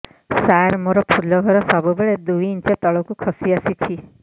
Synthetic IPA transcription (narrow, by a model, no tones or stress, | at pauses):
saɾmoɾɔpʰulːɔɡʱɔɾɔsɔbubeɭed̪ujint͡ʃɔt̪ɔɭɔkukʰɔsiasit̪ʰi